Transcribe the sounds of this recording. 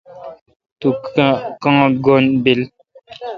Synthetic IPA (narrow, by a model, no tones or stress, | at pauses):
t̪ukãŋɡonbil